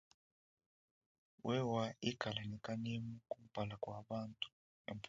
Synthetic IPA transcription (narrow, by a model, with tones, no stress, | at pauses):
wʔɛ˦wa˦i˦ɡ̥ʱa˨la˨nɛ˨kʼa˦ni˦mukʼu˦m̩˦b̥ʱa˨la˨kʼwa˨ɓa˦ntʼu̥ | ḛ˨mpʰ